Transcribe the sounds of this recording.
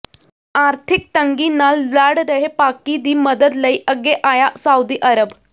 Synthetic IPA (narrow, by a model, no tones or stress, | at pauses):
aɾt̪ʰik̚t̪əŋɡiːnallaɽd̪əɦepakid̪iːməd̪əd̪ləiʔəɡeʔajasaud̪iːʔəɾəb